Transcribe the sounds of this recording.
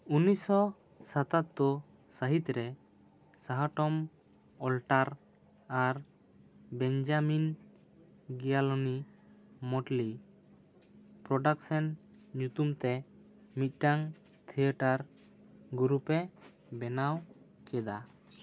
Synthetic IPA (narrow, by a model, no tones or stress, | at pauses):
unisɔ | sat̪at̪̚d̪ɔ | saɦit̪ɾɛ | saɦaʈɔm | ɔlʈaɾ | aɾ | bɛnd͡ʒamin | ɡijalɔni | mɔʈli | pɾɔɖaksɔn | ɲut̪umt̪ɛ | mit̪̚ˀʈaŋ | t̪ʰiəʈaɾ | ɡuɾupɛ | bɛnaw | kɛd̪a